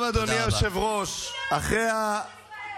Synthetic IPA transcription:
vad̪onioʃevʁo̞ʃaχʁea

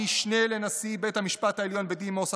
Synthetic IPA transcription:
iʃnelenasibet̪hamiʃpat̪haeljo̞nbed̪imosa

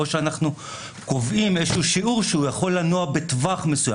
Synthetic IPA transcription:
oʃeanaχnu | ko̞vʔimeʃuːʃiuʁʃeujaχo̞lːanuabetvaχme̞suja

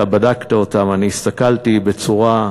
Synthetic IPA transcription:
abadakt̪ao̞t̪amaniːst̪akalt̪ibe̞t͡suʁa

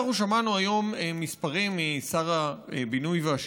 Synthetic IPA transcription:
χuʃamanuajo̞meːispaʁimːisaʁaebinujveaʃ

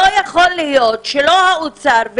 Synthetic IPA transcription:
ojaχolːehjot̪ʃelohaut͡saɾv

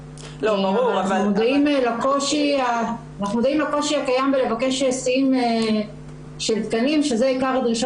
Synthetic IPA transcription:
loauavaud̪aimelakoʃiaː | naχnud̪aimlako̞ʃiakajambelevakeʃesime | ʃelt̪kanimʃezeikaʁd̪ʁiʃa

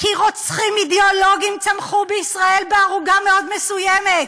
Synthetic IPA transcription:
kiʁot͡sχimid̪eolo̞ɡimt͡samχubeisʁae̞lbeaʁuɡameo̞d̪mesujemet̪̚

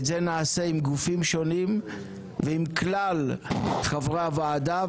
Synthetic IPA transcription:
zenaːseimɡufimʃonim | veimklalχavʁavaaːd̪a

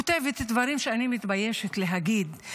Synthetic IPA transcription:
ot̪evet̪ad̪vaʁimʃeanimit̪bajeʃet̪leɦaɡid̪

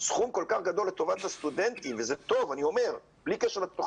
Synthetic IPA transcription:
sχumko̞lkaχɡad̪o̞lːet̪o̞vat̪hast̪ud̪ent̪ivezet̪o̞vanio̞me̞ʁ | b̥likeʃeʁlat̪o

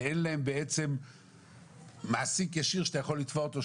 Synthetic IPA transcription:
enlaembeet͡sem | aːsikjaʃiʁʃt̪ajaχolːit̪voʁt̪o

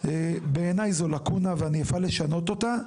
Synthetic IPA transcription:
ebe̞ːnajzolakunaveaniafale̞ʃano̞t̪o̞ta

